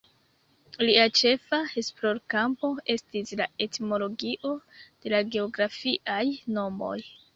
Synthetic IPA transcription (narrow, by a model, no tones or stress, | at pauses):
liat͡ʃe̞fae̞splo̞ɾkampo̞e̞stislae̞tmo̞lo̞ɡiʔo̞d̥e̞laɡe̞oɡɾafiʔajno̞mo̞̰j